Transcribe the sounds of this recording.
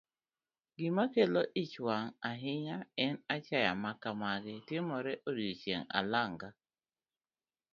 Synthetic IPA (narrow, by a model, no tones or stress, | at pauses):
ɡɪmakeloʔɪt͡ʃwaŋaɦɪɲaɛnat͡ʃaja̰makamaɡɛtɪmɔɾɛʔodot͡ʃeŋa̰laŋɡa